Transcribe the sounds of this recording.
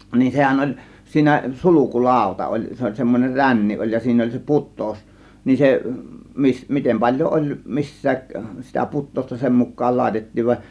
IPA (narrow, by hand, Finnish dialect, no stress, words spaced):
nin sehæn olʲ siːnæ suluku lɑˑo̝tɑ olʲ se olʲ semːonʲer rænːi olʲ jɑ siːnæ olʲ se putˑoˑus nin se mis mitem pɑlʲjoʔ ʔolʲ misːæːk sitæ putˑoˑustɑ nin sem mukˑɑːl lɑˑe̝tetːiːʋ ʋɑ